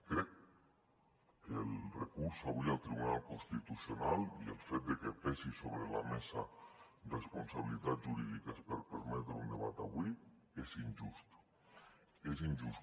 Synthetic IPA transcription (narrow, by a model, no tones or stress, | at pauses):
kɾɛk | əlˠrekuɾsaβialˠt̪ɾiβunalˠkunst̪it̪usionaliḛlˠfet̪̚d̪ekepɛsisoβɾelamɛsa | respunsaβilit̪at̪ʒuɾiðikəspəɾpəɾmɛt̪ɾeund̪eβat̪aβwi | ezinʲʒust̪ | ezinʲʒus